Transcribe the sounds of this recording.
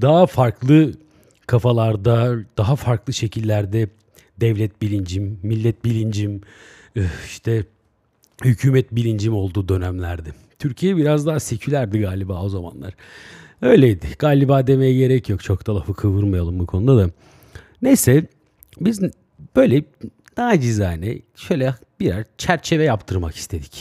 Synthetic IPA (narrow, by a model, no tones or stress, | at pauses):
d̪aɦafaɾkʰlˠɯ | kʰafalˠaɾd̪ad̪̥aɦafaɾklˠɯʃe̞cʰilʲːæɾd̪ɛ | d̪ɛvlʲɛt̪̚bilʲind͡ʒimːilʲːɛt̪̚bilʲind͡ʒim | iʃt̪ʰɛ | hycʰyːmɛt̪bilʲind͡ʒimo̞lˠd̪uːd̪ø̞næmlʲæɾd̪ɛ | t̪ʰyɾcʰijɛbiɾazd̪aɦase̞cʰylʲæɾd̪iɡaːlʲibaːo̞zama̰nlˠa̰ɾ̥ | ø̞jlʲejid̪ɪɡ̥aːlʲibaːd̪e̞mejɛɟe̞ɾɛcʰjo̞kt͡ʃʰo̞k̚t̪ʰalˠafɯkʰɯvɯɾmajalˠɯmbukʰo̞nud̪ad̪a | nejsɛ | biz | b̥øjlʲɛ | naɦad͡ʒizaːnɛʃø̞jlʲɛ | biɾazt͡ʃʰæɾt͡ʃʰe̞vɛjapt̪ʰɯɾmaki̥st̪ʰe̞d̪i̥c